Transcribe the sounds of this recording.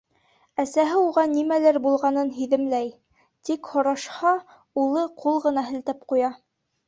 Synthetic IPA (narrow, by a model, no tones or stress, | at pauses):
æsæɦɘuʁɑnimælæɾbulˠʁɑnɤnɦiðɘ̆mlæj | t̪ikhŏɾɑʃhɑ | ulˠɤqʰulˠʁɤ̆nɑɦɘ̆lt̪æpqujɑ